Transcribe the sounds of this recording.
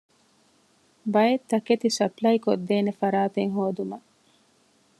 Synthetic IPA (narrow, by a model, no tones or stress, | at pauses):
bɐjet̪ːɐket̪isɐplɐjkod̪ːeːnefɐɾaːt̪eŋɦoːd̪umɐ